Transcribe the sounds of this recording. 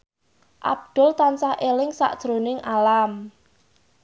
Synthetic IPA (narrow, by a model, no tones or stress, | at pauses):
ʔa̰b̚d̪̥ʊ̤lt̪ansaʔelɪŋsa̰ʔd̥ʒ̥ɾonɪŋalam